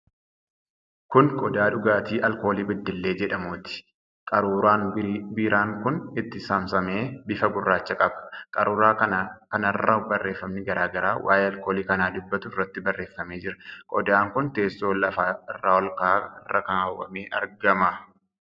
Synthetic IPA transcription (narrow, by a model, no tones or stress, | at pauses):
kʊnkʼɔd̪aːᶑʊɡaːt̪iːʔɐlko̞ːliːbɪd̪ːɪlːeːd͡ʒɛᶑɐmʊːt̪ɪ̥ | kʼɐɾuːɾaːnbiːɾaːŋkʊnɪt̪ːɪsɐmsɐme̞ːbɪfɐɡʊrːaːt͡ʃːɐkʼɐbɐ̥kʼɐɾuːɾaːkɐnakɐnɐrːɐbɐrːe̞ːfːɐmnɪɡɐɾaːɡɐɾa̰ːwʔa̰ːjeɐlko̞ːliːkɐnaːd̪ʊbːɐt̪ʊɪrːɐt̪ːɪbɐrːe̞ːfːɐme̞ːd͡ʒɪɾɐkʼɔd̪aːŋkʊnt̪e̞ːsːo̞ːlɐfaːɪrːaːwɔlkaːɪrːɐkaːwːɐ̰meːʔɐ̰ɾɡɐmɐ